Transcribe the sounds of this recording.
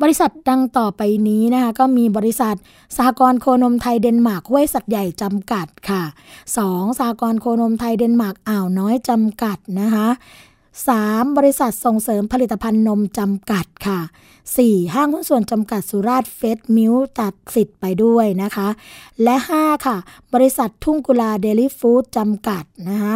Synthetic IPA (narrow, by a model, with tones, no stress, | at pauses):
bɔː˧ɾi˦˥sa˨˩t̪̚da˧ŋt̪ɔː˨˩pa˧jniː˦˥na˦˥kʰa˦˥kɔː˥˩miː˧bɔː˧ɾi˦˥sa˨˩t̪̚ | saː˨˩˦kɔː˧nkʰoː˧no˧mt̪ʰa˧jde˧nmaː˨˩k̚hu˥˩əjsa˨˩t̪̚ja˨˩jt͡ɕa˧mka˨˩t̪̚kʰa˥˩sɔː˩˦ŋsaː˨˩˦kɔː˧nkʰoː˧no˧mt̪ʰa˧jde˧nmaː˨˩k̚ʔaː˨˩wnɔː˦˥jt͡ɕa˧mka˨˩t̪̚na˦˥kʰa˦˥ʔ | saː˩˦mbɔː˧ɾi˧˥sa˨˩t̪̚so˨˩ŋsɤː˩˦mpʰa˧li˨˩t̪ːa˧pʰa˧nːo˧mt͡ɕa˧mka˨˩t̪̚kʰa˥˩ | siː˨˩ɦaː˥˩ŋkʰu˥˩nsu˨˩ənt͡ɕa˧mka˨˩t̪̚su˨˦ɾaː˥˩t̪̚fe˦˥t̪̚mi˦˥wt̪a˨˩t̪̚si˨˩t̪̚pa˧jdu˥˩əjna˦˥kʰa˦˥lɛ˦˥ʔhaː˥˩kʰa˥˩bɔː˧ɾi˧˥sa˨˩t̪ʰːu˥˩ŋku˧laː˧deː˧liː˥˩fuː˦˥t̪̚t͡ɕa˧mka˨˩t̪̚na˦˥kʰa˦˥